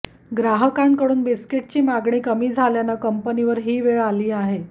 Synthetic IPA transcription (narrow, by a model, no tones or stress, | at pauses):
ɡɾaɦəkaŋkəɽuːnbiskeʈ̚t͡ɕiːmaɡɳiːkəmiːd͡zʱaljanakəmpəniʋəɾɦiːʋeɭaliːaɦe